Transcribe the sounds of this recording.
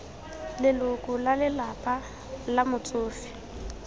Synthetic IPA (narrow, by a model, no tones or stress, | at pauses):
lɪlʊkʼʊlalɪlapʼa | lamʊt͡sʼʊːfɪ̥